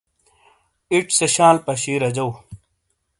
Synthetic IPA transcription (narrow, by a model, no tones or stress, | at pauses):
iʈseɕaːlpɐɕiːɾɐd͡ʑɐw